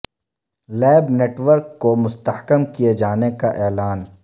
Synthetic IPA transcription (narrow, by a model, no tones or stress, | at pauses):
lɛːbneːʈwəɾkːomʊst̪əhkəmkijed͡ʒaːnekaʔɛːlaːn